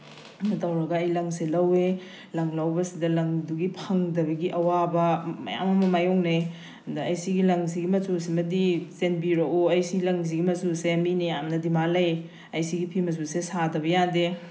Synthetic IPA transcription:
mɐtʰɐwɾɐɡɐɐjlɐŋselɐwe | lɐŋlɐwbɐsidɐlɐŋduɡipʰɐŋdɐbɐɡiʔɐwabɐmɐ̰ja̰mɐmɐmajɔŋne | ɐndɐɐjsiɡilɐŋs̬iɡimɐsusimɐdisenbiɾooɐjsiɡilɐŋs̬iɡimɐsuseminiamnɐdimalɐj | ɐjsiɡipʰimɐsusesadɐbɐjande

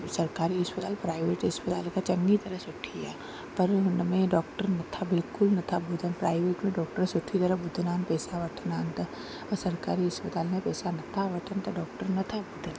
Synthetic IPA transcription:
sɐɾkaːɾiɦɐspət̪aːlpɾaːɪʋeːʈɦɐspət̪a̰ːlkat͡ʃɐ̃ŋɡit̪ɐɾəɦsʊʈʰija̰ | pɐɾnmẽɖɔːk̚ʈəɾnɐt̪ʰabɪlkʊlnɐt̪ʰabʊd̪ʱənpɾaːɪʋeːʈmẽɖɔːk̚ʈəɾsʊʈʰit̪ɐɾəbʊd̪ʱənaːnpɛːsaʋɐʈʰənaːnt̪a | ɔɾsɐɾkaːɾiɦɐspət̪aːlmẽpɛːsanɐt̪ʰaʋɐʈʰənt̪aɖɔːkʈəɾnɐt̪ʰabʊd̪ʱən

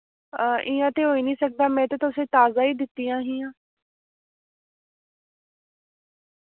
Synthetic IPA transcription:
ʔɪːãːt̪eːɦoːiːnĩːsək̚d̪aːmɛ̃ːt̪eːt̪ʊsẽːt̪aːzaːiːd̪ɪt̪ːiːjãːɦijãː

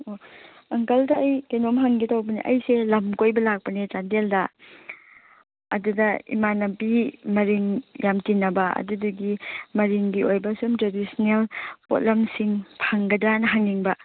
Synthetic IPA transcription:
o | ɐŋkɐldɐːjkenomɦaŋɡitawbɐnḭʔɐjselɐmkojbɐlak̚pɐnit͡ʃandeldɐ | ɐ̰dudɐḭmanɐmpimɐɾiŋjamtinɐbɐɐ̰dudɐɡimɐɾiŋɡiojbɐsumtɾadisnelpo̰t̚lɐmsiŋpʰaŋɡɐdanɐɦaŋiŋbɐ

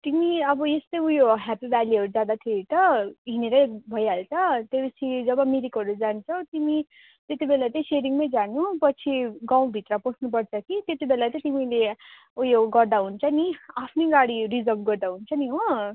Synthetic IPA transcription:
t̪imiʌbʌest̪ʌjujoɦapibaliʌɾud͡zjad̪at̪ʰeit̪ʌɦineɾʌjbʱʌjaɦlt͡sʌt̪epʌt͡sʰid͡zʌbʌmiɾikɦʌɾud͡zant͡sʰʌwt̪imi | t̪et̪ibelat̪ʌĩseɾiŋmʌjd͡zanupʌt͡sʰiɡãw̃bʱit̪rʌposʰnupʌrt͡sʰʌkit̪jet̪ibelat͡s̪ʌĩt̪imile | ujoɡʌrd̪aɦunt͡sʰʌniapʰniɡaɽirid͡zʌlbɡʌrd̪aɦunt͡sʰʌniɦo

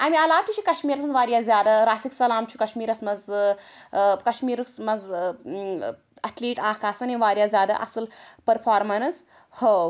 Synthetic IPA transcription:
ɐmiɐlaːbt͡ʃʰit͡ʃʰikɐʃmiːɾɐsɨnʋaːɾjaːzjaːd̪aɾaːsiksɐlaːmt͡ʃʰu̥kɐʃmiːɾɐsmɐz | kɐʃmiːɾksmɐz | ɐʈʰliːʈaːhkaːsɐniʋaːɾʲjaːzʲjaːd̪a̰ʔɐ̰sɨlpɐɾpʰaːɾmɐnz | ho

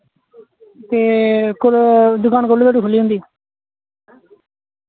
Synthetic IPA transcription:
t̪eːkʊd̪ʊkaːnkʊlːd̪eɽukʰʊlːiːɦʊ̃nd̪iː

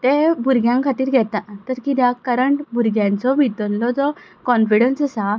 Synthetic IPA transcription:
t̪ebuɾɡjãŋkʰat̪iːɾɡʱɛt̪at̪əɾkid̪akəɾəɳʈbuɾɡjãnt͡sɔbʱit̪əllɔd͡zɔkɔnfiɽənsəsa

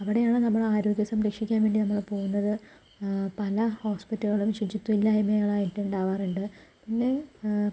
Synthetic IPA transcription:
ɐʋiɽe̞jaːɳɨnɐmːɐɭaːɾoːɡjɐsɐmɾiːkʂikʲːaːnʋe̞ːɳɖinɐmːɐɭpo̞ːɣunːɐðɨ | pɐlɐho̞ːspitːɐɣiɭumʂit͡ɕːut̪ːuilːɐimeɐɭaːjitːɨuɳɖaːʋaːruɳɖɨpinːe̞

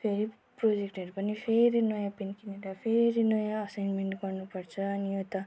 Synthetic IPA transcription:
pʰeɾi | pɾod͡ʒek̚ʈeɖpʌnipʰeɾinʌjãpinkiniɾapʰeɾinʌjãːsajnmeɳʈɡʌɾnupʌɾt͡sʰʌːnijot̪ʌ

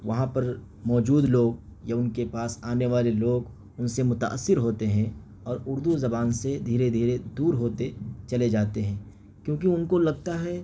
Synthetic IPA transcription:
ʋɐɦãpɐɾ | mɔːd͡ʒuːd̪loːɡjaʊnkepaːsaːneʋaːleloːɡ | ʊnsemʊt̪a̰ʔə̰sːɪɾɦoːt̪eɦɛ̃ | ɔːɾʊɾd̪uzɐbaːnsed̪ʱiːɾed̪ʱiːɾed̪uːɾɦoːt̪et͡ʃɐled͡ʒaːt̪eɦɛ̃ː | kjõːk̬iʊnkolɐɡ̚t̪aɦɛː

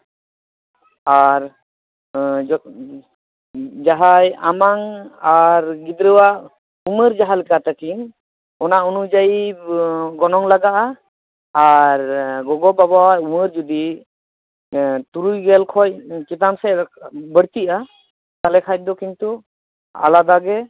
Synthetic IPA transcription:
aɾ | d͡ʒ | d͡ʒaɦajamaŋaɾɡid̪ɾəwaʔ | uməɾd͡ʒaɦalɛkat̪akin | ɔnaʔunud͡ʒaji | ɡɔnɔŋlaɡaʔaː | ɾɡɔɡɔbabawauməɾd͡ʒɔd̪i | t̪uɾujɡɛlkʰɔc̚kit̪amsɛbəɽt̪iʔa | t̪alɛkʰac̚d̪ɔkint̪u | a̰lad̪aɡɛ

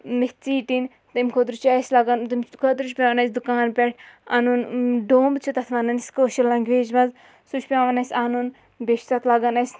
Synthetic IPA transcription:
meht͡siːʈin | t̪ɐmʲkʰot̪ɾut͡ʃʰɐsʲlɐɡɐnt̪ɐmʲkʰot̪ɾut͡ʃʰpʲaːʋɐnɐsʲd̪ukaːnpʲeʈʰɐnunɖoːmbt͡ʃʰut̪ɐt̪ʰʋɐnɐnsʲkoːʃɐlːɐŋɡʋeːd͡ʒmɐz | sut͡ʃʰpʲaːʋɐnɐsʲanun | beʃsɐt̪ʰlɐɡɐnɐsʲ

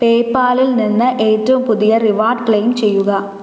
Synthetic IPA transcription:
peːpːaːlilninːɨʔeːtːɐʋumpʊðɪjɐɾiʋaːɾɖkɭejmt͡ɕɛjːuɣɐ

